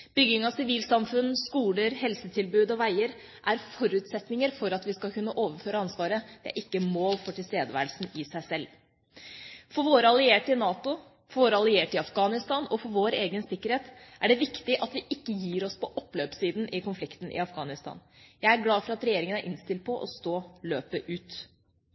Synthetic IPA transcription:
b̥ʏɡːɪŋɑʋsɪʋiːlsɑmfʉnskuːləɾhɛlsət̪ʰɪlbʉːd̪ɔʋæɪəɾ | ʔæɾfɔɾʉːt̪sɛt̪nɪŋəɾfɔɾɑt̪ʋɪskɑlkʉnːəʔoːʋəɾføːɾəɑnsʋɑːɾəd̪̥ɛæ̰ɾɪkːəmoːlfɔʈʰɪlst̪eːd̪əʋæ̰ːɾəlsn̩ɪsæɪsɛlː | fɔɾʋoːɾəɑlɪeːʈɪnɑːt̪ʊ | fɔʋoːɾəɑlɪeːʈɪɑfɡɑːnɪst̪ɑːnɔfɔɾʋoːɾeːɡənsɪkːəɾheːt̪ʔæɖɛʋɪkt̪ɪʔɑt̪ʋɪʔɪkːəjiːɾɔspʰɔʔɔpːløːpsiːd̪n̩ʔɪkʊnflɪkt̪n̩ʔɪ̰ɑfɡɑːnɪst̪ʰɑ̰ːnjæɪæɾɡlɑːfɔɾɑt̪ɾɛjeːɾɪŋənæɾʔɪnst̪ɪld̪̚pʰɔʔɔ̰st̪oːløːpəʔʉːt̪

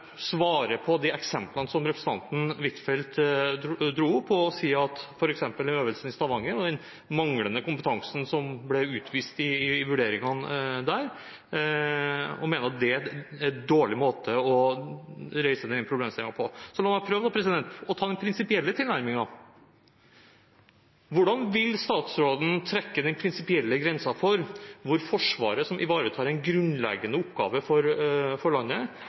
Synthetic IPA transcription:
sʋɑːɾəpʰɔd̪ɛɛksɛmplɑnəsɔmɾɛpɾəsn̩ɑ̰nt̪n̩ʋɪt̪fɛlt̪ | d̪ɾuːpʰːɔɔsiːɑt̪fɔɾɛksɛmpəlɛnøːʋəlsənɪst̪ɑʋɑŋːəɾɔd̪ɛn | mɑŋlənəkʊmpət̪ʰɑŋsn̩sɔmblɛʉːt̪ʰʋiːst̪ɪʋʉɖeːɾɪŋɑnd̪æɾ | ɔ̰meːnəɾɑt̪̚d̪ɛæd̪oːɭɪmoːt̪ʰəɔ | ɾeɪsəd̪ɛnəpʰɾʊbleːmst̪ɪlɪŋɑpʰɔsɔlɑːmæpʰɾøːʋd̪ɑpʰɾɛs̬ɪd̪ɛnt̪ɔt̪ʰɑːd̪ɛnpʰɾɪnsɪpɪɛlːət̪ʰɪlnæɾmɪŋɑ | ʋʊɖɑnʋɪlst̪ɑːt̪sɾoːd̪n̩t̪ʰɾɛkːəd̪ɛnpʰɾɪnsɪpɪɛlːəɡɾɛnsɑfɔɾʋʊɾfɔʂʋɑ̰ːɾəsɔmʔɪ̰ʋɑːɾət̪ʰɑːɾɛɪnɡɾʉnlɛ̰ɡənəʊpɡɑ̰ːʋəfɔɾfɔɭɑnːə

